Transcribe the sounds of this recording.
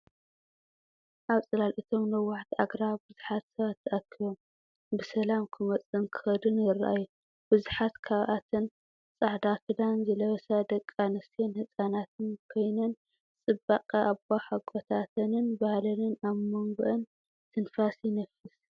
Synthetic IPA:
ʔaβsʼɐlalʔit̪ʰo̞mnɐwaħt̪ʰaɡɾaβbɨzuħat̪sɐβat̪ʰːɐʔakʰːijo̞m | bɨsɐlamkʰɨmɐt͡sʼːɨnkʰɨ̥xɐd̪ɨnjɪrɐ̰ʔa̰jːu | b̥ɨzuħat̪kʰaβʔat̪ʰɨn | sʼaħd̪akʰɨd̪anzɐlɐβɐsad̪ɐkʼːanɐst̪ʰenhɨsʼanat̪ʰɨnkʰo̞jnɐn | t͡sʼɨbːakʼɐʔaβbaħaɡʼot̪ʰat̪ʰɐnɨnbahlɐnɨnaβmɨŋɡɨʔɐn | t̪ʰɨnfasjɪnɐfɨs

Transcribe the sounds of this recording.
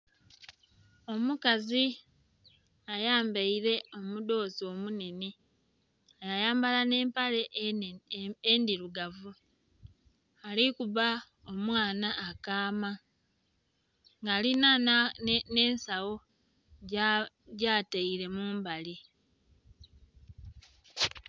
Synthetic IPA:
o̞mukazi | ajaːmbeiɾe̞o̞mudo̞ːzio̞ːmune̞ni | ajajaːmbalane̞ːmpale̞ | endiɾuɡavu | alikuβa | o̞mwaːnaːkaːma | ŋɡaːlina | ne̞ːnsawo̞ | ɟaːteiɾe̞muːmbali

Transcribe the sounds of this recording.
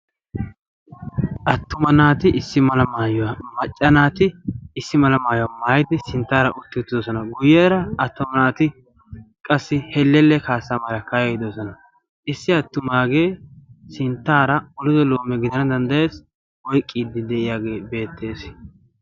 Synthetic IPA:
ʔɐt̪ːʊmɐnaːt̪ɪʔɪsːɪmɐlɐmaːjɔwɐmɐt͡ʃʼːɐnaːt̪ɪɪsːɪmɐlɐmaːjɔwamaːjd̪ɪsɪnt̪ːaːɾɐ̰ʔʊt̪ːɪʊt̪ːɪd̪ɔsɔnɐɡʊjːɛːɾɐɐt̪ːʊmɐnaːt̪ɪ | kʼɐsːɪhɛlːɛlːɛkaːsːamɐlɐkɐjɛɪd̪ɔsɔnɐ | ɪsːɪɐt̪ːʊmaːɡe̞ːsɪnt̪ːaːɾɐɔlɪzɔloːmːɛɡɪd̪ɐnɐd̪ɐnd̪ɐje̞ːs | wɔjkʼːiːd̪ɪd̪ɛʔɪjaːɡe̞ːbe̞ːt̪ʰːe̞ːs

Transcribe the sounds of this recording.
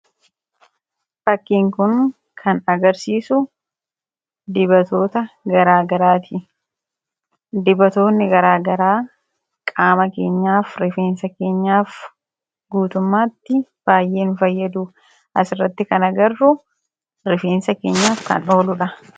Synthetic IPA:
fɐkːiːŋkʊn | kʰɐnɐɡɐɾsiːsʊ | d̪ɪbɐt̪o̞ːt̪ɐɡɐɾaːɡɐɾaːt̪ʰɪ | d̪ɪbɐt̪o̞ːnːɪɡɐɾaːɡɐɾaː | kʼaːmɐke̞ːɲːaːfɾɪfe̞ːnsɐke̞ːɲːaːf | ɡuːt̪ʊmːaːt̪ːɪb̥aːjʔe̞ːnfɐjːɐd̪uː | ʔɐsɪrːɐt̪ːɪkɐnɐɡɐrːʊ | ɾɪfe̞ːnsɐke̞ːɲːaːfkɐ̰no̞ːlʊᶑɐ

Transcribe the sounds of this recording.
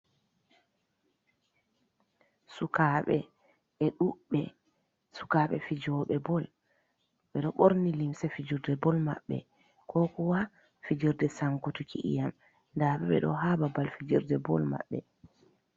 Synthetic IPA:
sukaɓɛ̰ | ɛɗuɓːɛ | su̥kaɓɛ̰fid͡ʒɔɓɛbɔl | ɓɛɗɔɓoɾnilimsɛfid͡ʒiɾdɛbɔlma̰ɓːɛ̰ | kʰɔkɔwa | fid͡ʒiɾdɛsaŋkutukʰiʔḭjam | ndaɓɛɓɛ̰ɗɔ̰ɦababalfid͡ʒiɾdɛbɔ̰lma̰ɓːɛ

